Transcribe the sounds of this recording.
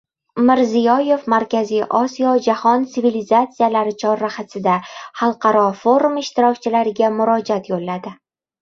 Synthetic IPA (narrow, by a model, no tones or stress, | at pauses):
mɪɾzijɒje̞vmaɾkʲʰazijʔɒsijɒd͡ʒahɒnt̪sɪvilizat̪sijalaɾɪt͡ʃʰɒɾːaχasɪd̪ahɑlˠqʰɑɾɒfo̞ɾumɪʃt̪ɪɾɒkʲt͡ʃʰɪlaɾɪɡʲamʊɾɒd͡ʒat̪jolːad̪ɪ